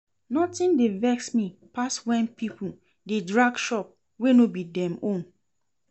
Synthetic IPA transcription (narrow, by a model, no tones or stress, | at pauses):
nɔtĩndevɛksmipaswɛ̃npipʰu | dedɹaɡʃɔp̚ | wenobidɛ̃mõn